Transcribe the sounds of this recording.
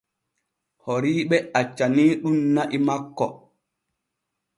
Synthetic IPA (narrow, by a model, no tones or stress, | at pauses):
hoɾiːɓɛat͡ʃːaniːɗunnaʔimakːɔ̰